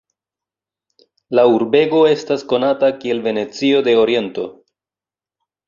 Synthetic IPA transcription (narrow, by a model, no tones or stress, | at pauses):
lauɾbe̞ɡo̞e̞stasko̞natakie̞lve̞ne̞t͡sio̞de̞o̞ɾie̞nto̞